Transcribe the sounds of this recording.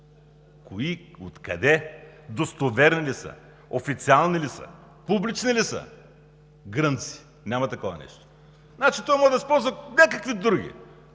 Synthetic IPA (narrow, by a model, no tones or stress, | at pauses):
koiot̪kɐ̰d̪ɛd̪ost̪ovɛɾnilisə̰ | ofit̪sialˠnilisə̰ | publit͡ʃnilisə̰ | ɡɾənt̪si̥ | nʲamɐt̪ɐkɔvɐ̰nɛ̰ʃt̪o̥ | nat͡ʃit̪ɔvamɔʒd̪əspɔlˠzvɐnʲakɐkvid̪ɾuɡʲḭ